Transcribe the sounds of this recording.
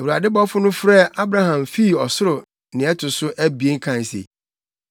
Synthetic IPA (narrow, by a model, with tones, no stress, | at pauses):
ɛ˨wu˨ɾa˨dɪ˦bɔ˦fʊ˦nʊ̃˦fɾɛ˦˨a˦bɾa˦hã˨mfi˦˨ɔ˨sʊ˦ɾʊ˨ | nɪ̃˨ɛ˦tʰʊ˨sʊ˦ʔæ˦bi˨e˦ŋ̩˦kʰã˨n˨sḛ˨